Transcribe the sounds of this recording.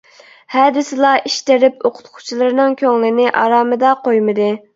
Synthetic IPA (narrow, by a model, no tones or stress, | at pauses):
hɛːd̪ɪsɨlˠɑʔiʃt̪eɾɪpoqʰʊ̥t̪qʰu̥t͡ʃʰilˠɨɾɨnɨŋkʲʰøŋlɪnɪʔɑ̰ɾɑːmɨd̪ɑqojmɨd̪ɨ